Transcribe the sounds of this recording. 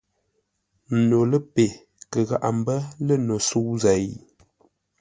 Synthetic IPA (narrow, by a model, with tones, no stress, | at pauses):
n˨no˨lə˦pe˨ | kə˨ɣa̰˦˨ʔa˨m̩˦bə˦lə˦no˨su˦wza˨j